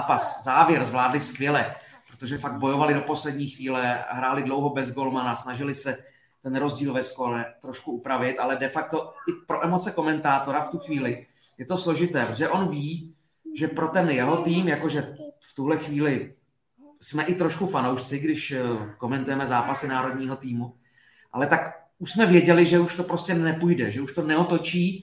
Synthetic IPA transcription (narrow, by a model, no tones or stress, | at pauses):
paszaːvjɛɾzvlaːdlɪskvjɛlɛpɾot̪o̞ʒɛfaɡ̪̚bo̞jo̞valɪdo̞po̞slɛdɲiːxviːlɛɦɾaːlɪdlowɦobɛzɡo̞lmanasnaʒɪlɪsɛ | t̪ɛnɾo̞zɟiːlvɛskolɛt̪ɾo̞ʃkuupɾavɪt̪ʔalɛdɛfak̚t̪o̞ɪpɾo̞ʔɛmo̞t͡sɛko̞mɛnt̪aːt̪o̞ɾaft̪uxviːlɪ | jɛt̪o̞slo̞ʒɪt̪ɛːpɾot̪ʒɛʔo̞nviː | ʒɛpɾo̞t̪ɛnjɛɦo̞t̪iːmjakoʒɛft̪uɦlɛxviːlɪ | smɛʔɪt̪ɾoʃkufanowʃt͡sɪɡdɪʃko̞mɛnt̪ujɛmɛzaːpasɪnaːɾo̞dɲiːɦo̞t̪iːmu | ʔa̰lɛt̪ak | uʃsmɛvjɛɟɛlɪʒɛuʃt̪opɾoscɛnɛpujdɛʒɛuʃt̪o̞nɛot̪o̞t͡ʃiː